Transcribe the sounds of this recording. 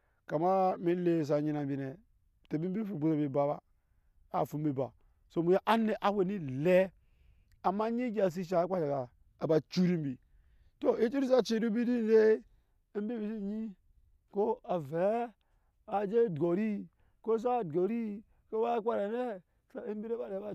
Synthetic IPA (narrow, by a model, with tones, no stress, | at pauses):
ka˨ma˦mi˦le˨s̬a˨ɲi˦na˨bi˨ne˨ | te˨bi˦bi˦fu˨bu˨sa˨bi˨ba˨ba̰˨ | a˨fu˨m˦bi˨ba̰˨ | so˨mu˨ja˦ʔa˦ne˨ʔa˦we˨ni˦le˦ | a˨mːa˦ɲi˦ɡʲa˨s̬i˦ʃ̬a˨˦kʷa˦t͡ʃa˨kaː˨ | ba˨t͡ʃu˦ɾi˦m˦bi˨ | to˦i˦t͡ʃu˦ɾi˦sa˦t͡ʃi˦du˦bi˦di˦n˦de˦ | m˦bi˦bi˨si˦˨ɲi˦ | ko˦a˨ve˨˦ | a˨d͡ʒe˦dɡo˨ɾi˦ | ko˦s̬a˦˨dɡo˨ɾi˦ | ko˦ba˦kʷa˦ɾa˨ne˦˨ | sa˨i˦m˦bi˦ɾe˦ba˨ɾe˨ba˦